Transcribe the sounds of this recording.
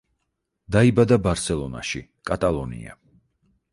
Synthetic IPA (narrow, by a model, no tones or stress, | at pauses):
d̪aibad̪abaɾsɛlˠɔna̰ʃikʼat̪ʼalˠɔnḭa̰